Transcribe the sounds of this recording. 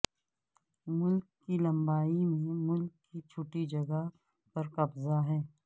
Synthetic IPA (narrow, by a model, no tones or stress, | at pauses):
mʊlkːilɐ̃mbaːimẽmʊlkːit͡ʃʰʊʈid͡ʒɐɡə | pɐɾqɐbzaɦɛː